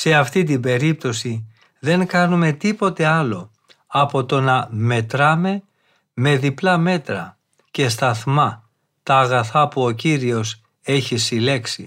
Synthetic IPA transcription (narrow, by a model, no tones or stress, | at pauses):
se̞ɐft̪it̪̬ibe̞ɾip̚t̪o̞si | ðe̞ŋkɐnume̞t̪ipo̞t̪e̞ɐlo̞ | ɐpo̞t̪o̞nɐme̞t̪ɾɐme̞ | me̞ðiplɐme̞t̪ɾɐ | ce̞st̪ɐθmɐ | t̪ɐːɣɐθɐpuo̞ciɾio̞s | e̞çisile̞ksi